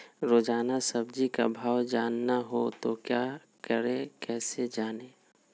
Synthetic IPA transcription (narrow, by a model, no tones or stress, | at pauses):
ɾoːd͡ʒaːnasəb̚d͡ʒika̰bʱaːwd͡ʒaːnːaɦot̪okjaː | kəɾekɛːsed͡ʒaːneː